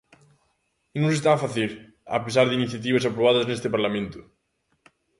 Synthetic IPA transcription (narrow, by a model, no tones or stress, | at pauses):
nõŋsest̪afaθiɾ | a̰pesaɾðɪiniθjat̪̬iβɐs̬apɾoβ̞aðɐznest̪ɪpaɾlamẽnt̪ʊ̥